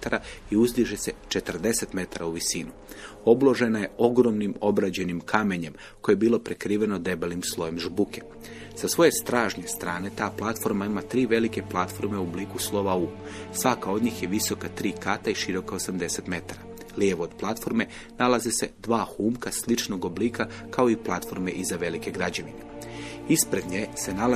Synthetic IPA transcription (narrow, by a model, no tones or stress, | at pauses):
t̪aɾaiuzliʒese̞t͡ʃe̞t̪r̩d̪e̞se̞t̪me̞t̪aɾauʋisinu | o̞blˠo̞ʒe̞naje̞o̞ɡɾo̞mnimo̞bɾad͡ʑe̞nimkʰame̞ɲe̞m | ko̞jebiːlˠo̞pɾekɾiːʋe̞no̞d̪e̞belimslˠo̞je̞mʒbuke̞ | sasʋo̞je̞st̪ɾaːʒɲe̞st̪ɾaːne̞t̪aːplˠat̪fo̞ɾmaimat̪ɾiːʋe̞like̞plˠat̪fo̞ɾmeubliːkuslˠo̞ʋausʋakao̞d̪ɲiːxje̞ʋiso̞kat̪ɾiːkat̪aiʃiɾo̞kao̞samd̪e̞se̞t̪me̞t̪aɾa | ljeʋoːd̪̥plˠat̪fo̞ɾme̞ | nalazese̞d̪ʋaːxuːmkaslit͡ʃno̞ɡo̞bliːkakao̞iplˠat̪fo̞ɾme̞ʔizaʋe̞like̞ɡɾad͡ʑe̞ʋḭne̞ispɾed̪ɲese̞nal